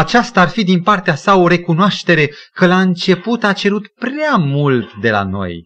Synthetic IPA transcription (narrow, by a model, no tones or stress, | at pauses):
at͡ʃast̪aarfid̪inpart̪easao̞ɾe̞kunoaʃt̪e̞ɾe̞ | kəlaɨnt͡ʃe̞put̪at͡ʃe̞ɾut̪pɾeamult̪d̪e̞la̰no̞̰j